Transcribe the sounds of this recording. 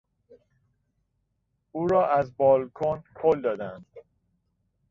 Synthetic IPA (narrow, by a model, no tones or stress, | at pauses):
ʔuːɾɒːʔæzbɒːlkʰonkʰold̪ɒːd̪ænd̪̥